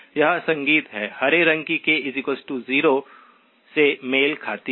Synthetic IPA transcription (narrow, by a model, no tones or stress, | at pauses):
jɐɦãsɐ̃ŋɡiːt̪ɦɛːhɐɾeɾɐ̃ŋkikeɪzikosʈuziːɾo | semeːlkʰaːt̪i